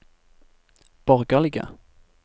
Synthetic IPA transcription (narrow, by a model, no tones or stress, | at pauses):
b̥ɔʁɡəlɪɡə̰